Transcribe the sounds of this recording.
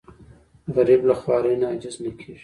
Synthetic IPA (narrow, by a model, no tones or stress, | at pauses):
ɣɐɾiblɐxwaːɾeːnaːd͡ʒɪznɐkʰiːʃ